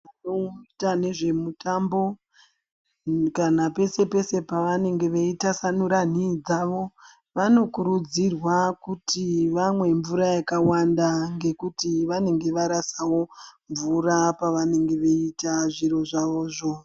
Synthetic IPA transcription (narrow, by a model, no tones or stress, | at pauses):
anoitane̞ʐe̞mutambo̞ | kanape̞se̞pe̞se̞paʋane̞ŋɡe̞ʋeitasanuɾan̤id͡zaʋo̞ | ʋano̞kuɾud͡zirwakutʰiʋamwe̞ɱvuɾajakawandaŋɡe̞kutiʋane̞ŋɡe̞ʋaɾasawo̞ɱvuɾapaʋane̞ŋɡe̞ʋe̞itaʐiɾo̞ʐaʋo̞ːʐo̞